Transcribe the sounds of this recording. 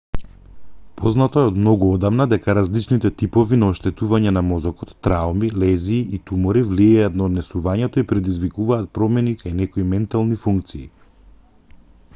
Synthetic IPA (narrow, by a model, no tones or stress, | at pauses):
pʰɔznat̪oɛɔd̪mnɔɡuɔd̪avnad̪ɛkaɾazlit͡ʃnit̪ɛt̪ipɔvinaɔʃt̪ɛt̪uvaɲɛnamɔzɔkɔt̪ːɾaumilɛziːʔit̪umɔɾivliɛjat̪naod̪nɛsuvaɲɛt̪oipɾɛd̪izvikuvaːt̪̚pɾɔmɛnikʰajnɛkoimɛnt̪alˠnifuŋk̚t̪siː